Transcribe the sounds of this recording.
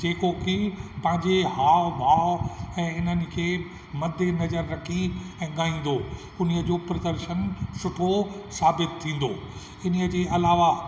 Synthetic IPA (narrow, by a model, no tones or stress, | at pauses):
d͡ʑeːkokʰɪpɐ̃ɦɪ̃ɲd͡ʑehaːʋbʱaːʋɛ̃ːɪnənɪ̆kʰeː | mɐd̪ʱːenɐzəɾːɐkʰiɛ̃ːɠaːĩːn̆d̪o | ʊniəd͡ʑoːpɾɐd̪əɾʃənsʊʈʰosaːbɪt̪ʰːĩːn̆d̪oː | ɪniəd͡ʑeːʔɐlaːʋa